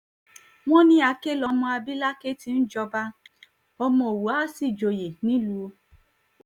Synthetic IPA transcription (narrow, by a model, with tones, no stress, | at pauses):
w̃ɔ̃˦nĩ˦a˨˧ke˦lɔ˧mɔ̃˧a˧bi˦la˦ke˦ti˦n̩˦d͡ʒɔ˧ba˦ | ɔ˧mɔ̃˧o˨wo˨˦a˦si˦˨d͡ʒo˨˧je˨nĩ˦lu˧˦˧